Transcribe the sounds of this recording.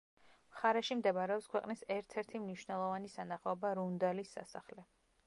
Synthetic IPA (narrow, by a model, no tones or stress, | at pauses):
mχaɾɛʃimd̪ɛbaɾɛɔpskʰwɛqʼnisɛɾt̪ʰɛɾt̪ʰimniʃvnɛlˠɔvanisanaχaɔbaɾund̪alisːa̰saχlɛ